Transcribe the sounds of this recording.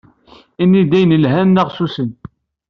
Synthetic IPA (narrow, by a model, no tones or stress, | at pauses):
inːid̪æjənəlɦænːæʁsusən